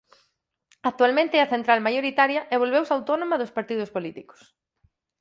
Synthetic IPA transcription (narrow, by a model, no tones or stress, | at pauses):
ak̚t̪ualmẽnt̪ɪeɐθent̪ɾalmajoɾit̪aɾjɐʔeβ̞olβewsawt̪ɔnomɐðʊspaɾt̪iðʊspolit̪iko̥s